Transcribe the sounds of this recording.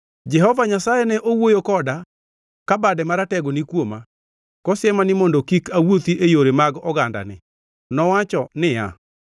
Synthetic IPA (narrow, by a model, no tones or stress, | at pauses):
d͡ʒɛhɔvaɲasajɛnɛʔowojokɔda | kabadɛmaɾatɛɡonikwoma | kɔsɪɛmanɪmɔndɔkikawot̪iʔejoɾemaɡɔɡanda̰nɪ̰ | nɔwat͡ʃɔnɪja̰